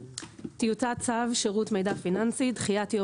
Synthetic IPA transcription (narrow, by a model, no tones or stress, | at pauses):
t̪ijutat͡savʃeʁutmejdafinansidχijatjo